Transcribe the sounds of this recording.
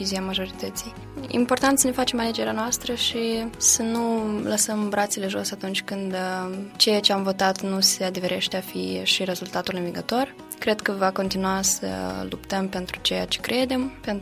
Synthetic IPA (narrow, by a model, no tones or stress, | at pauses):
iziamaʒo̞ɾit̪ət̪sij | ḭmpo̞rt̪ant̪səne̞fat͡ʃe̞male̞d͡ʒe̞ɾeanoast̪ɾəʃisənuləsəmbɾat̪sele̞ʒo̞sat̪unt͡ʃʲkɨnd̪t͡ʃe̞jat͡ʃe̞amvo̞t̪at̪nusead̪eve̞ɾe̞ʃt̪eafiʃire̞zult̪at̪ulɨnviɡət̪o̞r | kɾe̞d̪kəvako̞nt̪inuasə̰lupt̪əmpe̞nt̪ɾut͡ʃe̞ja̰t͡ʃe̞̥kɾe̞d̪e̞mpe̞n